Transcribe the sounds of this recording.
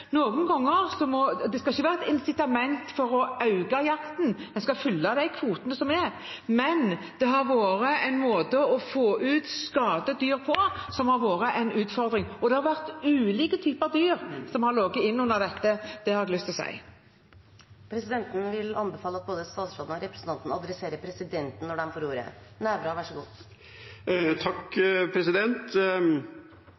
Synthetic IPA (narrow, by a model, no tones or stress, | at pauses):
noːɡnɡɔŋːəɾsɔmɔd̪ɛskɑɪçːəʋæːʁɛt̪ɪnsɪt̪ɑmɛnt̪fɔɾɔɑʉɡɑjɑkt̪n̩d̪ɛnskɑfʏlːɑd̪æɪkʰʋuːt̪ənəsɔmɛɾ | mɛn | d̪̥ɛɦɑɾʋoːɾəɛɪnmoːd̪əɔfoːʔʉːt̪skɑːd̪əd̪yːʁpʰɔsɔmhɑɾʋoːɾəʔɛnʉːt̪fɔɾd̪ɾɪŋɔd̪ɛhɑɾʋæʁt̪ʉːliːkət̪ʰyːpəɑʋd̪yːɾsɔmhɑɾloːɡəɪnːʉnːəʁd̪ɛt̪ːəd̪̥ɛhɑɾɛɡlʏst̪ɔsæ̰ɪ | pʰɾɛsɪd̪ɛnt̪n̩ʋɪlɑnbɛfɑːləɑt̪̚boːd̪əst̪ɑːt̪sfɑːd̪n̩ɔɾɛpɾə̥sənt̪ɑnt̪n̩ɑd̪ɾɛseːɾəpʰɾɛsɪd̪ɛnt̪n̩nːɔɖɛmfɔɾuːɾə̰næːɾbɾɑʋæʂəɡuː | t̪ʰɑkpʰɾɛsɪd̪ɛnt̪